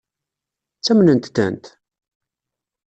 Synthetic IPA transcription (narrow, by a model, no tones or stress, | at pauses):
t͡sːæmnənt̪t̪ːə̰nt̪